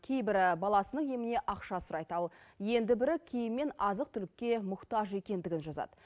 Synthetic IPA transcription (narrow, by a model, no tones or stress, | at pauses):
kʲʰe̞jbɪɾɪbɑlˠɑsənəɴje̞mɪne̞ʔɑqʃɑsʊɾɑjd̪əɑlˠje̞nd̪ɪbɪɾɪkʲʰe̞jɪmmːe̞nɑzəqt̪ʰʏlɪkʲːe̞mʊqt̪ɑʒe̞kʲe̞nd̪ɪɡʲɪnʒɑzɑ̰d̪ə